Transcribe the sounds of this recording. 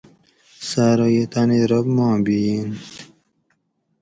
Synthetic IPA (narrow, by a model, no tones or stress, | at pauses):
saːɾojet̪aneɾɐbmɑ̃ːbin